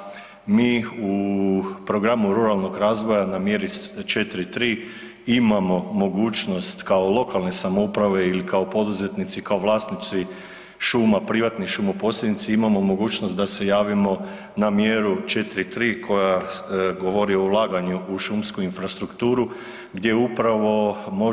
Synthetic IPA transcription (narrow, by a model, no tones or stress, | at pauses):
miːu | pɾo̞ɡɾamuɾuɾalˠno̞ɡɾaːzʋo̞janamjeɾit͡ʃet̪ɾit̪ɾiː | imamo̞mo̞ɡuːt͡ʃno̞st̪kaolˠo̞kalˠne̞samoupɾaʋe̞ilikaopo̞d̪uzet̪nit̪sikaoʋlˠaːst̪nit̪si | ʃuːmapɾiʋat̪niʃumoposljʲed̪nit̪siimamo̞mo̞ɡuːt͡ʃnost̪d̪ase̞jaːʋimo̞ | namjeɾut͡ʃe̞t̪ɾit̪ɾiːkʰo̞jaɡo̞ʋo̞ɾio̞ulˠaːɡaɲuʔuʃumskuinfɾast̪ɾukt̪uːɾu | ɡd̪je̞upɾaʋo̞mo